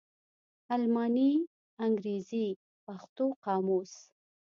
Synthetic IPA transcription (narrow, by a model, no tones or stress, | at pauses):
almɑni | aŋɡɾezi | paxt̪oqɑmos